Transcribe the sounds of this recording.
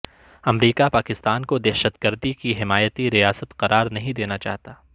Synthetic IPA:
ɐmɾiːkapaːkɪst̪aːnkod̪ɛːʃət̪ɡəɾd̪ikiɦɪmaːjət̪iɾijaːsət̪qɐɾʔaːɾnɐɦĩd̪eːnat͡ʃa̰ːɦt̪aː

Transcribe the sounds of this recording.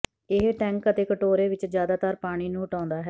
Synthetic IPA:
ɪɦʈɛ̃ːŋkət̪eːkəʈoːɾeːʋɪt͡ʃzjaːd̪aːt̪əɾpaːɽ̃iːnũːʊʈãːnd̪aːɦɛː

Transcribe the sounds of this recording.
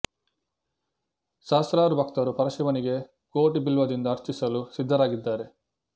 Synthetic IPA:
ʃaːsɾaːɾubʱɐk̚t̪ɐɾupɐɾɐʃiʋɐniɡe̞ | koːʈibilʋɐd̪ind̪ɐːɾt͡ʃisɐlusid̪ʱːɐɾaːɡid̪ːaːɾe̞

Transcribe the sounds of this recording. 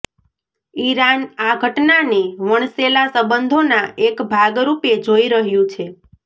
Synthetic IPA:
iɾanaɡʱəʈnaniʋəɳselasəbənd̪ʱonaʔekbʱaɡɾuped͡ʒoiɾəɦjũt͡ʃʰe

